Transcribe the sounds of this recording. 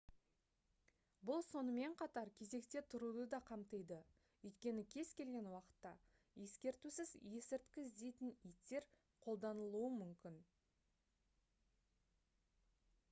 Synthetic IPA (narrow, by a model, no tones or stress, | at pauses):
bʊlˠso̞nəme̞ɴqʰɑt̪ɑɾkʲʰe̞ze̞kt̪e̞t̪ʰʊɾud̪əd̪ɑqʰɑmt̪əjd̪ə | ʏjt̪kʲe̞nɪkʲʰe̞z̥kʲʰe̞lɡʲe̞nwɑqə̥t̪ːɑ | je̞skʲe̞ɾt̪usɪzje̞sɪɾt̪kʲɪzd̪e̞jt̪ɪnijt̪ːe̞ɾ | qʰo̞lˠd̪ɑnəlˠuəmʏmkʲɪn